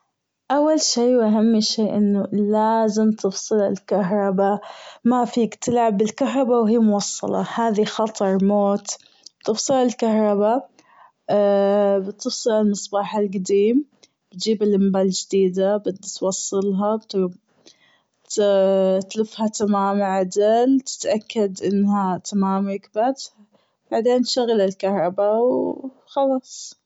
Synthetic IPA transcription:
ʔawːalʃiːwʔaɦamːʃeːʔɪnːʊlaːzɪmt̪ʰɨfsˤɨlalkaɦɾˤɑbamafiːkt̪ɪlʕabːɪlkaɦɾˤɑbawɦiːmʊwɑsˤːɑ̰lɑ̰haːðixɑt̪ˤɑɾˤmoːt̪ | b̥t̪ɨfsˤɨlalkahɾˤɑba | bt̪ɨfsˤɨlalmɨsˤbɑːħalɡad̪iːm | b̥̪d͡ʒiːbɪlʔɪmbaːld͡ʒɪd̪iːd̪abɪd̪ːt̪wɑsˤːɨlɦɑbt̪ | t̪t̪lɪfhat̪amaːmʕad̪alt̪ɪ̥t̪ʔakːad̪ʔɪnːɦat̪amaːmɪkbat̪ | b̥aʕd̪eːnt̪ʃaɣalɪlkahɾˤɑbaw | xɑlɑːsˤ

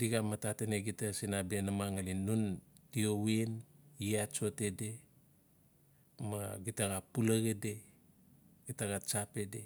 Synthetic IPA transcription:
diɡamatateneɡitasinabenamaŋalinːun | tioweniat͡ʃo̞te̞de̞ | maɡitaɡapulaɡede | ɡ̥itaɡat͡ʃape̞de̞

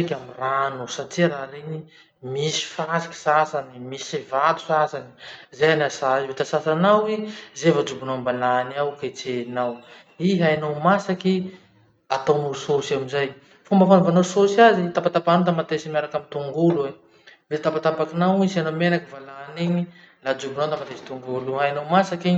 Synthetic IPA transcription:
ekʲamiranosatiɾaɾeɲi | misi̥faɾasi̥ki̥sasanimisisivat̪u̥sasani̥zejanasait̪asasanawizevad͡zubunambalaːniawket͡senaw | iɦajnawmasaki | at̪omuɾusosamizaj | fumbəfanuvanososazit̪apat̪apanot̪̬amat̪esimaɾakamint̪uŋɡulue | vet̪apat̪apakinawisanomenakivalaːniɲi | lad͡ʒubunawt̪amat̪esi̥t̪uŋɡuluɦajnawmasaki

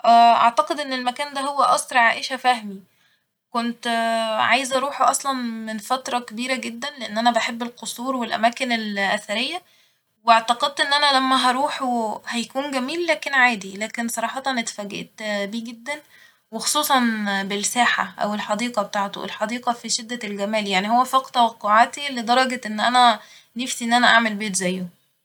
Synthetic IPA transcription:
ʔæːʔɑ̰ʕt̪ɑqed̪ʔenːelmækæːnd̪æɦowːæʔɑsˤɾʕaːʔeʃæfæhmi | kont̪ʕajezʔɑɾˤuːħoʔɑsˤlɑnmenfæt̪ɾˤɑkebiːɾæɡed̪ːænleʔenːʔænæbæħebːelqosˤuːɾwelʔæ̰mæːkenelʔæθæɾejːæ | weɑʕt̪ɑqɑd̪̚t̪ʔenːʔænælæmːæɦɑɾˤuːħuhæjækuːnɡæmiːlːæːkenʕaːd̪ilæːkensˤɑɾˤɑːħɑt̪ɑnet̪fæːɡḛʔt̪biːɡed̪ːæn | wexo̥sˤuːsˤɑnbelsæːħa̰ʔæ̰welħɑd̪iːqɑbet̪aːʕt̪o̰ʔḛlħɑd̪iːqɑfiʃed̪ːælɡæmæːljaʕnihowːæfɑqt̪æwɑqːoʕaːt̪ilːid̪ˤɑɾˤɑɡet̪ʔenːʔænæ | nefsiʔenːʔænæʔaʕmelbeːt̪zæjːo

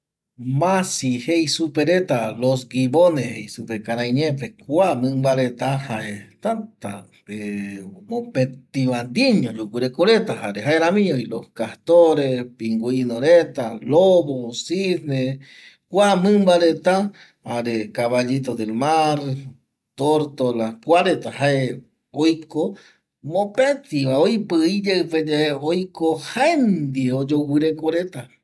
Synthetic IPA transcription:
masihejsupeɾet̪alos̬ɡiβonehejsupekaɾajɲepekwamɨmbaɾet̪ahaʔet̪at̪a̰pemopet̪iβand̪iɲoʎukuɾekoɾet̪ahaɾeɦaeɾamiɲoiloskaht̪oɾespiŋɡuinoɾet̪aloβosisne | kʷamɨ̃mbaɾet̪a | aɾekaβad͡ʒit̪od̪elmaɾ | t̪oɾt̪olakʷaɾet̪ahae | ojko | mõpet̪iβaojpɨid͡ʒeɨped͡ʒeeojkohaend̪ieod͡ʒowɨɾekoɾet̪a

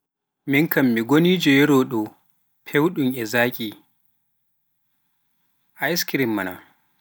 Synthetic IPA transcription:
mɪŋkɐmːiɡʷonid͡ʒejɛɽoːɗo | pʰɛwɗʊŋʔɛzaːkʲʼiː | ʔajɪskɪɾɪmːɐna̰

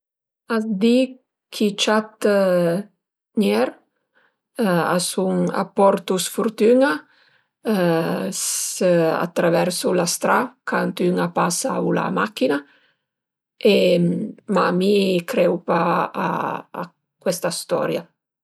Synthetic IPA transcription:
azd̪i | kʰit͡ʃat̪ | njɛɾ | a̰suŋa̰pːɔɾt̪usfuɾt̪yŋa | s | a̰t̪ːɾavɛɾsulast̪ɾakʰant̪yŋapasaula̰makːina | e | mamikɾɛwpaa̰ː | kwɛst̪ast̪ɔ̰ɾja

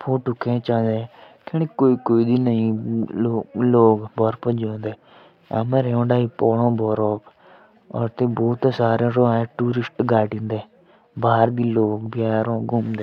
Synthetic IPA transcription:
pʰoːʈʊkʰːẽːt͡ʃãːnd̪ekenekoːiːkoːiːd̪iːnəĩː | loːɡbɔːɾpəd͡ʒõːnd̪eː | ə̰məɾeːõːɖaːiːpɔːɽõːbɔːɾoːp | ɔ̰ːɾt̪eːboːt̪saːɾẽːɾõːɛ̃ːʈuːɾɪsʈɡaːʈĩnd̪eː | baːɾd̪iːloːkbjaːɾõːɡʊmd̪eː

